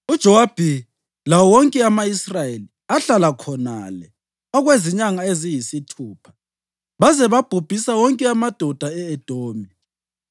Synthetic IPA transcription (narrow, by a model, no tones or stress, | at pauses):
ud̥ʒ̥ʱɔwab̥ʱi | lawɔwɔŋkʼɛamaisrajeli | aɬalakʰɔna̰lɛ | ɔɣweziɲaŋaezijisitʰuːpʰḁ | βazɛβab̥ʱub̥ʱisawɔŋkʼɛamad̥ʱɔd̥ʱaɛːd̥ʱoːmi